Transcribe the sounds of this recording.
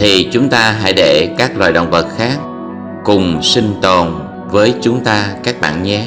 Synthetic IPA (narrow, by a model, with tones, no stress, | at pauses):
t̪ʰi˨˩t͡ɕʊ˨˦ŋ͡mt̪aː˧ɦa̰ː˧˥jɗe˧˩kaː˦˥k̚lwaː˨˩jɗə̰˧˨wŋ͡mvə˨˩t̚xaː˦˥k̚ | kʊ˨˩ŋ͡msï˧ŋ̟t̪o˨˩n | vəː˨˦jt͡ɕʊ˨˦ŋ͡mt̪aː˧kaː˦˥k̚ɓa̰ː˧˨nɲɛ˨˦